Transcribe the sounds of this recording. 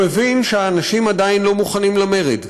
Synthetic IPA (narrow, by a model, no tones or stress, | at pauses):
evinʃeaːnaʃimad̪ainlo̞muχanimlame̞ʁed